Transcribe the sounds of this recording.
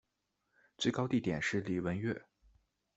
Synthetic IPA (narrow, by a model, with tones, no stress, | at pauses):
t͡swe˥˩ɪkɑ˥ʊt̪i˥˩t̪jɛ̰˨˩nʂɻ̩˥˩li˨˩wə˧˥nɥɛ˥˩